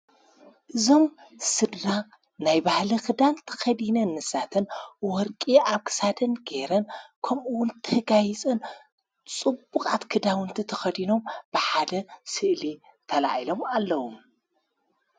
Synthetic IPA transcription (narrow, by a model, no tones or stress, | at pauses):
ʔɨzo̞m | sɨd̪ːa | najbahlikɨd̪ant̪ʰɐ̥xɐd̪inɐnːɨsat̪ʰɨnwɔɾkʼiaβkʰɨ̥sad̪ɐnɡeɾɐnkʰɐmʔuwʊnt̪ʰɐɡajit͡sʼɨn | t͡sʼɨbukʼat̪kʰɨd̪awɨnt̪ʰit̪ʰɐxɐd̪ino̞mb̥ɨħad̪ɐsɨʔli | t̪ʰɐla̰ʕilo̞malːɐwom